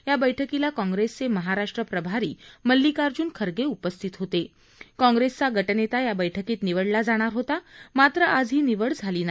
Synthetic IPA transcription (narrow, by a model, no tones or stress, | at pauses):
jabəjʈʰəkilakɔ̃ŋɡɾest͡seməɦaɾaʂʈɾəpɾəbʱaɾiːməlːikaɾd͡ʑuːnkʰəɾɡeupəst̪ʰit̪ɦot̪e | kɔ̃ŋɡɾest͡saɡʱəʈənet̪ajabəjʈʰəkiːt̪niʋəɽlad͡zaɽ̃aɾɦot̪amat̪ɾəʔad͡zɦiːniʋəɽd͡zʱaliːna